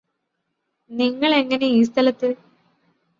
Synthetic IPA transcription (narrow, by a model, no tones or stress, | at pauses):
niŋːɐɭe̞ŋːɐneiːst̪ʰɐlɐt̪ːɨ